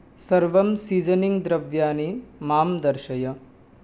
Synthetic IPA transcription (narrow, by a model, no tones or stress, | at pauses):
sɐɾʋɐmsiːd͡ʒɐniŋɡd̪ɾɐʋjaːnimaːmd̪ɐɾʃɐjɐ